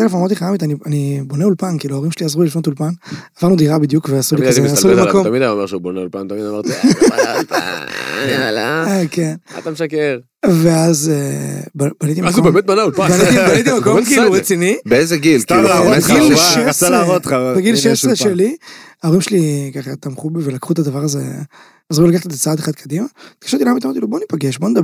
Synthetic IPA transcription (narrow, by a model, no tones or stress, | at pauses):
t̪elefamaʁt̪iχajamit̪anianiboneulpankiːluaoʁimʃeliazʁulilifnot̪ulpanavaʁnud̪iʁabid̪jukveasulikazealimakomt̪amid̪anoeʁʃeuboneulpant̪amid̪amaʁti | lakena̰t̪ameʃakeʁ | veazebabanit̪imazubemet̪̚banaulpabanit̪ibanit̪imakomkiːluʁet͡sinibeezeɡilkilubeɡilʃealaʁot̪abeɡilʃeʃeʃeliaoʁimʃelikaχat̪amχubivelakχut̪ad̪avaʁazḛ | azʁulakat̪let̪at͡saad̪eχad̪̚kʰad̪imat̪ɡaʃat̪ilamit̪amaʁt̪iluboanipaɡeʃboned̪ab